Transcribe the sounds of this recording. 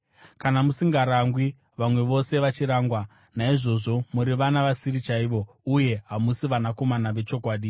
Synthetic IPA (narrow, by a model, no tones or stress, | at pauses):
kanamusiŋɡaɾaŋɡwi | ʋamwe̞ʋo̞se̞ʋat͡ʃiɾaːŋɡwa | naiʐo̞ʐo̞muɾiʋanaʋasiɾit͡ʃaiʋo̞ | uje̞ɦamusiʋanako̞manaʋe̞t͡ʃo̞kwaːɗi